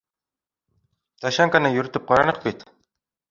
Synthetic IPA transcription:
t̪aʃaŋkanɤjɵ̆ɾɘ̆t̪ɘp̚qɑɾɑnɤq̚bit̪

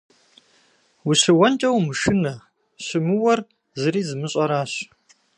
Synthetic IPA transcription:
wʊɕɨwɐnt͡ʃʼɐwmɨʃɨnɐ | ɕɨmɨwɐr | zɨɾiːzɨmɨɕʼɐɾaːɕ

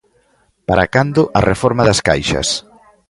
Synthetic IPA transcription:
paɾakand̪ʊʔɐrefɔɾmaðɐska̰jʃɐ̰s

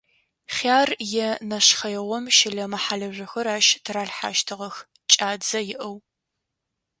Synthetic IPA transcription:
χaːrjɛnɐʃχɐjɛʁʷɔmʃɪɮɐmɐħaɮɐʐɨxɐɾaːʃtʰɨɾaːɬħa̰ːʃtʰɨʁɐx | t͡ʃʼaːd͡zɐjɪʔɐw

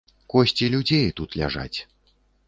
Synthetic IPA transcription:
kɔɕʲt͡sʲilʲud͡zʲejt̪ut̪lʲa̰ʐa̰t͡sʲ

